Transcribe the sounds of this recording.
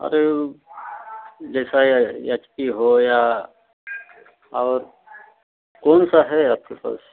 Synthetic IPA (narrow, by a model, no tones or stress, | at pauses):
ɐ̰ɾe | d͡ʒɛːsajat͡ʃpiɦoja | ɔːɾ | koːnsaɦɛɐt̪ʰipə̰s